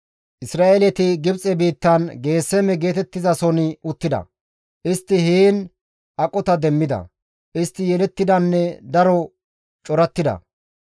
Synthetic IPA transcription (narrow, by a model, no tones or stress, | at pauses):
ʔɪsɾaːʔelɛt̪ɪɡɪbt͡sʼɛbiːt̪ːɐnɡe̞ːsːɛmɛɡe̞ːt̪ɛt̪ːɪzɐsɔnɪʊt̪ːɪd̪ɐ̰ | ʔɪst̪ːɪhiːn | ʔɐkʼːɔt̪ɐd̪ɛmːɪd̪ɐ̰ | ʔɪst̪ːɪjɛlɛt̪ːɪd̪ɐnːɛd̪ɐɾɔ | t͡ʃʼɔɾɐt̪ːɪd̪ɐ̰